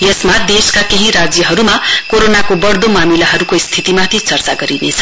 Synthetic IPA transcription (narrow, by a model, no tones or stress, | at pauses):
jʌsmad̪eskakeɦĩɾad͡zjʌɦʌɾumakoɾonakobʌɽd̪omamilaɦʌɾukost̪ʰit̪imãt̪ʰit͡sʌrt͡saɡʌɾinet͡sʰʌ̥